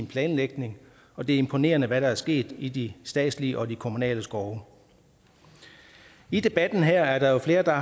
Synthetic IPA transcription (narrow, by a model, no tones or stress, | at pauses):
npʰlɛːnleɡ̥ne̝ŋ | ɒ̽d̥e̝æɐe̝mpʰo̝ne̝̰ːɐnəʋæɾɑ̈æɐsɡ̥e̝̰ːd̥id̥isd̥ɛ̰ːd̥sliəʔɒ̽d̥ikʰo̝munɛ̰ːləsɡ̥ɒʊ | id̥e̝b̥æd̥n̩ɦæɐ̰æɐɾ̥ɑ̈jo̝fle̝ːɐd̥ɑ̈